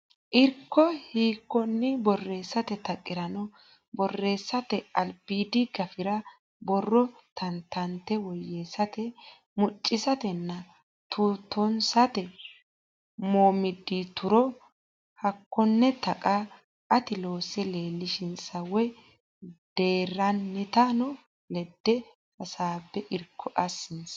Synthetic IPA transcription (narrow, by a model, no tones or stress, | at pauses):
ʔɪɾkːɔhiːkːɔnːɪbɔrːe̞ːsːɐt̪ɛt̪ɐkʼːɪɾɐnɔ | bɔrːe̞ːsːɐt̪ɛɐlpiːd̪ɪɡɐfɪɾɐ | bɔrːɔt̪ʰɐnt̪ɐnt̪ːɛwɔjːeːsɐt̪ɛ | mʊt͡ʃʼːɪsɐt̪ɛnːɐ | t̪ʰuːt̪ːɔnsɐt̪ɛ | moːmɪd̪ːit̪ʊɾɔ | hɐkːɔnːɛt̪ɐkʼa | ɐt̪ɪlo̞ːsɛle̞ːlːɪʃɪnsɐwɛ | d̪̥eːrːɐnːɪt̪anɔ | lɛd̪ːɛ | hɐsaːbːɛʔɪɾkʰːɔʔɐsːɪns